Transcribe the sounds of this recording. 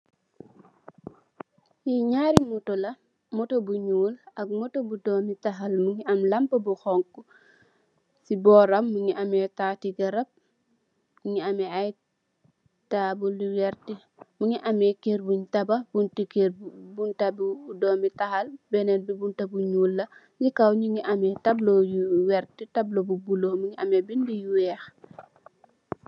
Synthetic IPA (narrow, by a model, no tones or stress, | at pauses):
jiɲaːɾimutɔlɐ | mɔtobuɲuːlɐk̚mɔtobudɔːmitɐɦalmuŋiɐmlɐmpɐbuxɔŋku | sibɔːɾɐmːuŋiɐmɛtaːtiɡɐɾɐb̚ | muŋiamɛaj | tabuldiwɛrti | muŋiʔɐmɛkerbuɲtɐbɐbuntikerbuntɐbiːdɔːmbitɐhɐlbɛnɛnbibuntɐbuɲulːɐ | ɲikɐwɲiŋiʔɐmɛtɐblojuwɛrtitɐblobubulomuɲiʔɐmɛbindijuwɛːx